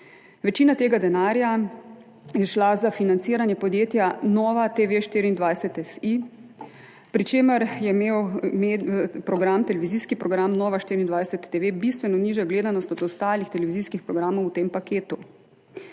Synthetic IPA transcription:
ʋɛt͡ʃiːnat̪eːɡad̪ɛnaːɾja | jɛʃlazafinant̪siːɾanjɛpɔd̪jeːt̪janɔːʋat̪eʋeʃt̪iːɾiːnd̪ʋajsɛt̪ɛsi | pɾit͡ʃeːməɾjɛmeːwmepɾɔɡɾamt̪ɛlɛʋiziːskipɾɔɡɾamnɔːʋaʃt̪iːɾind̪ʋajsɛt̪ːeʋebist̪ʋɛnɔniːʒɛɡleːd̪anɔst̪ɔd̪ɔst̪aːlixt̪ɛlɛʋiziːskixpɾɔɡɾaːmɔwt̪empakeːt̪u

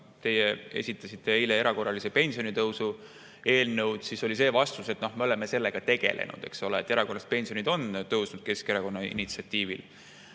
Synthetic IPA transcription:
t̪e̞jeḛsʲit̪ːˑɑsit̪ːˑe̞ileeɾɑko̞rːɑlisepe̞nʲsio̞nit̪ɤwsu | e̞ːlnɤwd̪̥siso̞lʲise̞ːvɑst̪use̞t̪no̞hmeole̞mese̞lːe̞ɡ̥ɑt̪e̞ɡ̥e̞̰lʔḛnṵd̪̥e̞̰kso̞leet̪ːˑe̞ɾɑko̞rɑst̪̚pe̞nsio̞nid̪o̞nt̪ɤwsnud̪̥̚ke̞ske̞ɾɑko̞nːɑḭnit̪siɑt̪ˑːiːvḭl

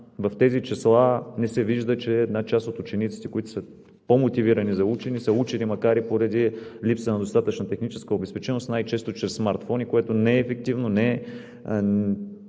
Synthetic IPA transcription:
vɐft̪ɛzit͡ʃɛslˠanɛsɛviʒd̪ət͡ʃɛːd̪nat͡ʃast̪ot̪ut͡ʃɛnit̪si̥t̪ɛ̥koit̪o̥sə | pomot̪iviɾɐnizɐut͡ʃɛnisəut͡ʃɛnimɐkaɾipoɾɐd̪ilipsənɐd̪ost̪at̪ət͡ʃnɐt̪ɛxnit͡ʃɛ̥skəobɛspɛt͡ʃɛnost̪najt͡ʃɛst̪ot͡ʃɾɛsːmaɾt̪fonʲikoɛt̪onɛːfɛk̚t̪ivnonɛ

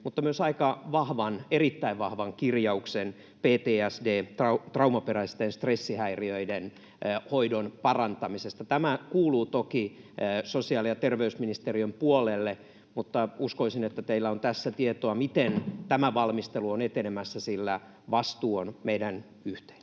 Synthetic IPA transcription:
mut̪ːɑmyøsɑikɑʋɑhʋɑnerit̪ːæiʋʋɑhʋɑŋkirjɑuksen | peːt̪eːæsdeːt̪rɑut̪rɑumɑperæist̪enst̪resːihæiriøiden | hoidonpɑrɑnt̪ɑmisest̪ɑt̪æmækuːluːt̪okisosiɑlijɑt̪erʋeysminist̪eriømpuolelːe | mut̪ːɑuskoisinet̪ːæt̪eilːæont̪æsːæt̪iet̪oɑmit̪ent̪æmæʋɑlmist̪eluonet̪enemæsːæsilːæ | ʋɑst̪uːonmeidæn | yht̪e̥in

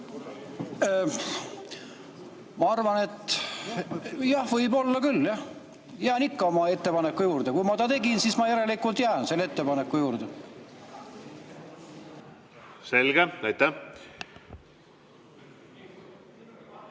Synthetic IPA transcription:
mɑɑrvɑne̞t̪ː | jɑhvɤjbo̞lːɑkylːjɑh | jæːnikːɑo̞mɑe̞t̪ːe̞pɑnekːˑujuːrd̪̥e̞kujmɑt̪ɑt̪e̞ɡinsismɑjæɾe̞likːˑult̪jæːnse̞lːeet̪ːe̞pɑnekːˑujuːrd̪̥e | se̞lɡ̥eæjt̪ːæ

